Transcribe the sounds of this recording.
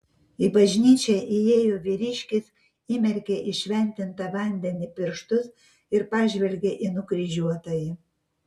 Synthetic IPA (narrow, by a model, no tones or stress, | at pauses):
ɪbɐʒʲnʲiːt͡ʃʲɛʔijeːjoːʋʲiɾʲiʃʲkʲɪs | iːmʲɛɾʲkʲeʔɪʃʲʋʲɛnʲt̪ʲɪnt̪ɑʋɑnʲd̪ʲɛnʲɪpʲɪɾʃt̪ʊs | ɪɾpɑːʒʲʋʲɛlʲɡʲeʔinʊkɾʲiʒʲuɔt̪oːjɪ